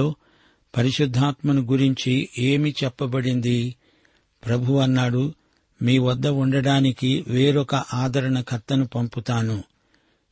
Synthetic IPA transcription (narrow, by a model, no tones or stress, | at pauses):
oː | pɐɾiʃud̪ʱːaːt̪mɐnuɡuɾiɲt͡ʃie̞ːmit͡ʃɛpːɐbɐɽind̪i | pɾɐbʱuʋɐnːaːɽu | miːʋɐd̪ːɐuɳɖɐɽaːnikiʋe̞ːɾɔkɐʔaːd̪ʱɐɾɐɳɐkʰɐt̪ːɐnupɐmput̪aːnu